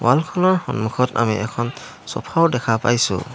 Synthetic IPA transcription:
walkʰɔnɔɹxɔnmukʰɔta̰miʔɛkʰɔn | sɔ̰pʰaʊdɛkʰapa̰jsʊ̰

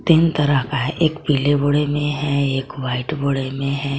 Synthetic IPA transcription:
t̪iːnt̪ɐɾəɦkaɦɛʔeːkpiːleboɽemẽɦɛeːkʋaːɪʈboɽemẽɦɛː

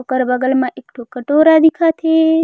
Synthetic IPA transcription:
kːɐɾbɐɡɐlmaʔɪkʈokːɐʈoːɾaːd̪ikʰat̪ʰe

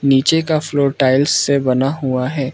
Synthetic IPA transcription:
niːt͡ʃekafloːɾʈaːɪlssebɐnaɦuaɦɛː

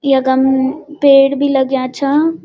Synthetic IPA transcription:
jɐɡəmpeːɽbʱilɐɡjat͡ʃʰa

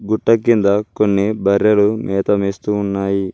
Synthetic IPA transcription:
ɡuʈːɐkːind̪ɐkonːibʱɐɾjɐlumʔɛːt̪ɐmiːst̪uːnːaːji

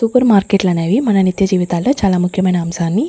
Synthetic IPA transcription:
supɐɾmaːɾkeːʈlɐneːʋimɐnɐnit̪jɐd͡ʒiːʋit̪aːlːoːt͡ʃaːlaːmukʰjɐmɐjnɐːmsaːnːi

